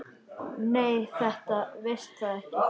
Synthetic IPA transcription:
neːjθɛht̪avɪst̪θaðɛhcɪ

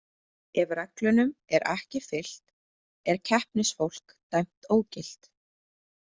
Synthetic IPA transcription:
ɛvrɛklʏnʏmɛɾʔɛhcɪfɪl̥t̪ | ɛɾ̥cʰɛhpnɪsfowl̥k | t̪ajm̥t̪oːwcɪl̥t̪

